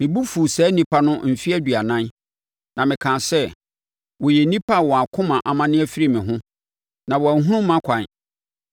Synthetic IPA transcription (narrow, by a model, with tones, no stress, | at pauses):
mɪ̃˨bu˦fu˨sɛː˨˦nĩ˦pʰa˦nʊ̃˦m̩˨fi˦æ˦dɥa˨nã˦n | nã˨mɪ̃˨kʰã˨sɛ˦ | wɔ˨jɛ˨nĩ˦pʰa˦wɔ˨a˨kʰʊ̃˦mã˨ʔa˨mã˦nɪ̃˦æ˦fi˦ɾi˦˨mɪ̃˨ɦʊ̃˦ | nã˨wɔ˨æ˨˦ɦũ˦ũ˦mã˦kʷʰã˨n